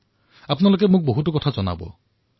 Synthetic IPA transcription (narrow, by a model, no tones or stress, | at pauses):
apɔnalok̬emuk̚boɦutɔkɔtʰad͡ʒɔna̰bɔ̰